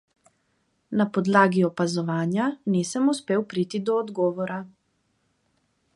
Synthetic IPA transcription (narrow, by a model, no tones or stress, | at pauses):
napɔd̪laːɡiɔpazɔʋaːnjanisəmuspeːwpɾit̪id̪ɔːd̪ɡɔːʋɔɾa